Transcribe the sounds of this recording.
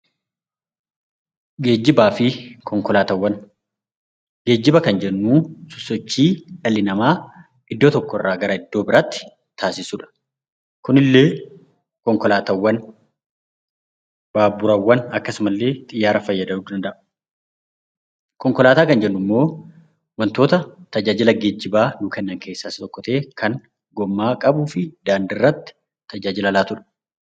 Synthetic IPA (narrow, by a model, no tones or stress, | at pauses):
ɡe̞ːd͡ʒːɪbaːfɪkʰɔŋkɔlaːt̪ɐwːɐn | ɡe̞ːd͡ʒːɪbɐkɐnd͡ʒɛnːuːsʊsːɔt͡ʃːiːᶑɐlːɪnɐmaː | ɪd̪ːo̞ːt̪ɔkːɔɪrːaːɡɐɾɐɪd̪̥ːo̞ːbɪɾat̪ːɪ̥ | t̪aːsɪsuːᶑɐ̥ | kʊnɪlːe̞ː | kɔŋkɔlaːt̪ɐwːɐn | b̥aːbʊɾɐwːɐnɐkːɐsʊmɐlːe̞ːt̪ʼɪjːaːɾɐfɐjːɐd̪ɐʔuːd̪ɐnd̪ɐʔʊ̥ | kɔŋkɔlaːt̪aːkɐnd͡ʒɛnːʊmːo̞ː | wɐnt̪o̞ːt̪ɐt̪ɐd͡ʒaːd͡ʒɪlɐɡɛd͡ʒːɪbaːnʊkɛnːɐŋkʰeːsːaːsɪt̪ʼɔkːɔt̪eːkɐŋ | ɡɔmːaːkʼɐbuːfɪd̪aːnd̪ɪrːɐt̪ːɪ̥ | t̪ɐd͡ʒaːd͡ʒɪlɐlaːt̪ʊᶑɐ̥